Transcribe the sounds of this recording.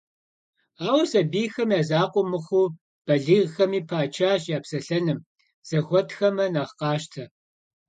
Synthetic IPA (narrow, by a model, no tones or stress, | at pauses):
aːwɐsɐbiːxɐmjaːzaːqʷʼɔmɨχʷuː | b̥ɐɮiːʁxɐmiːpʰaːt͡ʃʰaːɕjaːpsɐɬɐnɨm | z̥ɐxʷɔtxɐmɐnaːʁqɑːʃtʰɐ